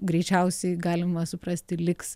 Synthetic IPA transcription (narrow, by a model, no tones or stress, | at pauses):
ɡɾʲɛɪt͡ʃʲɛʊsʲɛɪɡɑːlʲɪmɐsʊpɾɐsʲt̪ʲɪlʲɪks